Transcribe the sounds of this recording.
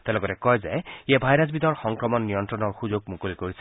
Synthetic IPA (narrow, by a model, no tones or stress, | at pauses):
t̪elɔkɔɾɛkɔjzaiebʱajɾasbid̪ɔɹxɔŋkɹɔmɔnːijɔnt̪ɾɔnɔɹxuzoɡ̚mukolikoɹisʰ